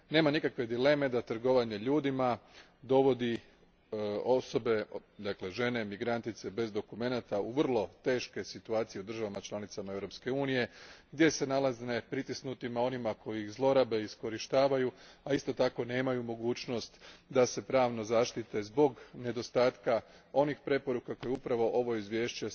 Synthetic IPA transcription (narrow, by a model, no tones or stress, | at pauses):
ne̞ːmanikakʋe̞d̪ile̞me̞d̪at̪r̩ɡo̞ʋaɲeʎuːd̪ima | d̪o̞ʋo̞d̪i | o̞so̞be̞d̪akle̞ʒe̞ne̞miɡɾant̪it̪se̞be̞zd̪o̞kume̞nat̪auʋrlˠo̞t̪e̞ːʃke̞sit̪uaːt̪sije̞ud̪rʒaʋamat͡ʃlˠanit̪samaeʋɾo̞pske̞uːnije̞ɡd̪je̞se̞nalˠazne̞pɾit̪isnut̪imao̞nimako̞jiixzlˠo̞ɾabe̞isko̞ɾiʃt̪aːʋajuaist̪o̞t̪ako̞ne̞ːmajumo̞ɡuːt͡ɕno̞st̪d̪ase̞pɾaːʋnozaːʃt̪it̪e̞zbo̞ɡne̞d̪o̞st̪aːt̪kao̞nixpɾe̞po̞ɾukako̞juupɾaʋo̞ʔo̞ʋo̞izʋje̞ːʃt͡ɕe